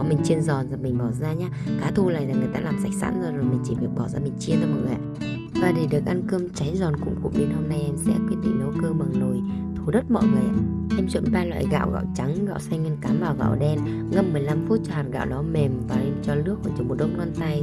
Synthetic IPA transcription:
ɔ˨˦mï˨˩ŋ̟t͡ɕi˧ənzɔ˨˩nzaː˨˩mï˨˩ŋ̟ɓɔ˧˩zaː˧ɲaː˧kaː˨˦t̪ʰu˧la̰ː˧˨zaː˨˩ŋɨ˨˩əjt̪a̰ː˧laː˨˩msa˨˦˥k̚sa̰ː˧˥nzɔ˧zo˨˩jmï˨˩ŋ̟t͡ɕi˧˩vək̚ɓɔ˧˩zaː˧mï˨˩ŋ̟t͡ɕi˧ənzaː˧mɔ̰˨˩˨a̰˧˨˩ | vaː˨˩ɗe˨˧˩ɗɨ˨˩ək̚ʔa˧nkɨ˧əmt͡ɕa˨˦jzɔ˨˩nkʊ̰˧˥ŋ͡mkʊ̰˧˥ŋ͡mɗe˧nho˧mna˧jʔɛ˧msɛ̰˧˥kwi˦˥ət̚ɗḭ˧˨ŋ̟ɗə˨˧˦wkɨ˧ma˨˩ŋzo˨˩jt̪ʰu˨˦ɗə˦˥t̚mɔ̰˧˨jŋɨ˨˩ja˨ | ʔɛ˧mt͡ɕṵ˧˨nɓaː˧lwa̰ː˧˨jɣa̰ː˧˨wɣa̰ː˧˨wt͡ɕa˨˦ŋɣa̰ː˧˨wsa˧jŋ̟ŋi˧nkaː˨˦mvaː˨˩wɣa̰ː˧˨wɗɛ˧n | ŋə˧mːɨ˨˩əjla˧mfu˦˥t̚t͡ɕɔ˧haː˨˩t̚ɣa̰ː˧˨wɗɔ˨˦me˨˩mvaː˨˩˧nt͡ɕɔ˧lɨ˦˥ək̚vɔ˨˧˩t͡ɕɔ˨˧˩m˨˩t̚ɗə̰˧˥wŋ͡mnɔ˧nt̪a˧j

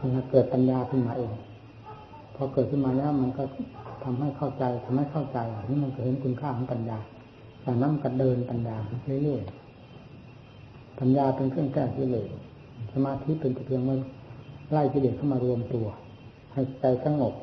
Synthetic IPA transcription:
knaː˧˩kɤː˨˩t̪̚pa˧njaː˧t̪ʰɯ˧˩ŋmaː˧˨ʔeː˧˩ŋ | pʰɔ˧kɤː˨˩t̪̚kʰɯ˥˨maː˧lɛː˦˥˩ma˧nkɔ˧˥˩t̪ʰa˧mɦa˥˩jkʰa˥˩wt͡ɕa˧jt̪ʰa˧mha˥˩jkʰa˥˩wt͡ɕa˧ja˨˩˨niː˧˥˩ma˧nkɔ˧˩ɦe˨˦nkʰu˧nkʰaː˥˩kʰɔ˨˦˥ŋpa˧njaː˧ | t͡ɕaː˨˩k̚na˧˥˨ma˧nkɔ˧˩dɤː˧np̪a˧njaː˧kʰa˧˩kʰi˧˩˨lɯ˥˩əj | pa˧njaː˧pe˧nkʰɯ˥˩əŋkʰɛː˧˩k̚t̪ʰiː˧˩lɤː˨˩ | sa˧maː˧t̪ʰi˦˥pe˧nt͡ɕ̪u˨˩t̪ʰːəŋma˧la˧˩jt̪ʰi˧˩lɤː˨˩kʰa˥˩˨maː˧ɾu˧əmt̪u˧ɐ | ha˧˩jt͡ɕa˧jsa˧˥˧ŋːo˨˩k̚

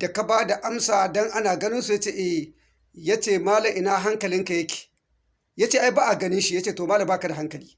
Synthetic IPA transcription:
d̥a˨ka˨baː˦da˨ʔa˦msaː˨dɔ˦ŋʔa˦naː˨ɡɐ˦nɪ˦nsu˨ja˦t͡ʃeː˦˨ʔɛ˦˨ | ja˦t͡ʃeː˦˨maː˦lɐ˨mʔɪ˦naː˦ɦa˦ŋkɐ˨lɪ˦ŋka˨jɐ˦kʲʰi̥˨ | ja˦t͡ʃeː˦ʔa˦jbaː˦ʔa˨ɡɐ˦nɪ˦nʃi˦ja˦t͡ʃeː˦toː˨maː˦lɐ˨mbaː˦ka˨da˨ɦa˦ŋkɐ˨liː˦

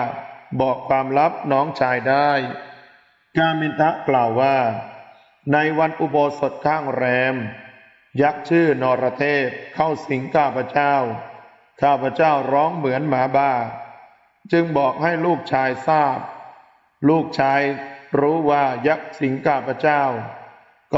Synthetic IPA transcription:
bɔː˨˩kʰwaː˧mɾa˦˥p̚nɔː˦˥ŋt͡ɕʰaː˧jdaː˥˩j | kaː˧mi˧nt̪ʰa˦˥ʔklaː˨˩wːaː˥˩ | na˧jwa˧nʔu˧bo˧so˨˩t̪̚kʰaː˥˩ŋɾɛː˧m | ja˦˥k̚t͡ɕʰɯː˥˩nɔː˧pɾa˧t̪ʰeː˥˩t̪̚kʰa˥˩wsi˩˦ŋkʰaː˥˩pʰa˧t͡ɕaː˥˩w | kʰaː˥˩pʰa˧t͡ɕaː˥˩wɾɔː˦˥ŋmɯ˩˦ənmaː˩˦baː˧˩ | t͡ɕɯ˧ŋbɔː˨˩k̚ha˥˩jluː˥˩k̚t͡ɕʰaː˧jsaː˥˩p̚ | luː˥˩k̚t͡ɕʰaː˧jɾuː˦˥waː˥˩ja˦˥k̚si˨˩˦ŋkʰaː˧˥˩pʰa˧˥t͡ɕaː˥˩w | k

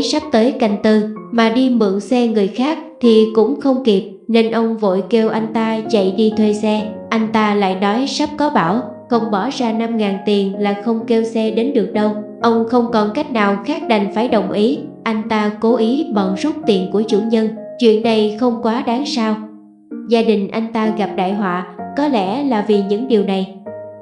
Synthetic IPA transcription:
sa˦˥p̚t̪əː˨˦jka˨˩jŋ̟t̪ɨ˧maː˨˩ɗi˧mɨ̰˧˨əŋsɛ˧ŋɨ˨˩əjxaː˦˥k̚t̪ʰi˨˩kʊ̰˧˥ŋ͡mxə˧wŋ͡mki˨˩p̚ne˧nʔə˧wŋ͡mvo̰˧˨jke˧wʔa˧jŋ̟t̪aː˧t͡ɕə̰˧˨jɗi˧t̪ʰwe˧sɛ˧ʔa˧jŋ̟t̪aː˧la̰ː˧˨jnɔ˨˦jsa˦˥p̚kɔ˨˦ɓaː˧˩w | xə˧wŋ͡mɓɔ˧˩zaː˧na˧mŋaː˨˩nt̪i˨˩ənlaː˨˩xə˧wŋ͡mke˧wsɛ˧ɗe˨˦nɗɨ˨˩ək̚ɗə˧wʔə˧wŋ͡mxə˧wŋ͡mkɔ˨˩nka˦˥jk̟̚naː˨˩wxaː˦˥k̚ɗa˨˩ŋ̟faː˧˩jɗə˨˩wŋ͡mʔi˨˦ʔa˧jŋ̟t̪aː˧ko˨˦ʔi˨˦ɓɔ˨˩nsu˦˥t̚t̪i˨˩ənku˧˩ət͡ɕṵ˧˩ɲə˧nt͡ɕwḭ˧˨ənːa˨˩jxə˧wŋ͡mkwaː˨˦ɗaː˨˦ŋsaː˧w | zaː˧ɗï˨˩ŋ̟ʔa˧jŋ̟t̪aː˧ɣa˨˩p̚ɗa̰ː˧˨jɦwa̰ː˧˨kɔ˨˦lɛ̰˧˥laː˨˩vi˨˩ɲɨ̰˧˥ŋɗi˨˩əwna˨˩j

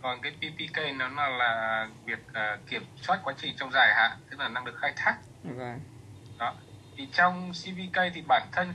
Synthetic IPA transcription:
kɔ˨˩nkaː˨˦jpi˧pi˧kə˧jne˨˦nɔ˨˦laː˨˩˨vi˨˩ək̚ʔəː˨˩kːi˧˩əmswaː˦˥t̚kwa˨˦t͡ɕï˧˩ŋt͡ɕɔ˧wŋ͡mzaː˨˩jha̰ː˧˨ʔt̪ʰɨ̥˨˦˥k̚laː˨˩na˧ŋɗɨ˨˩ək̚xaː˧jt̪ʰaː˦˥k̚ | ɗɔ˨˦ | t̪ʰi˨˩t͡ɕɔ˧wŋ͡msi˧vi˧kə˧jt̪ʰi˨˩ɓa̰ː˧˨nt̪ʰə˧n

